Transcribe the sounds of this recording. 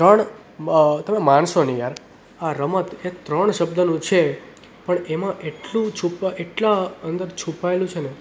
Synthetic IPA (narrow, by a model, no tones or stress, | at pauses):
t̪əɳ | t̪əmemanʃonijaɾ | aɾəmət̪et̪ɾəɳʃəb̚d̪ənũt͡ʃʰe | pəɳemãʔeʈlũt͡ʃʰupʔeʈlaənd̪əɾt͡ʃʰupaelũt͡ʃʰene